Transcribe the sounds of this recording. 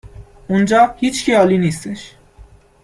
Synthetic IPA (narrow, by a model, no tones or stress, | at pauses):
ʔund͡ʒɒːhiːt͡ʃcʰiɒːliːnist̪eʃ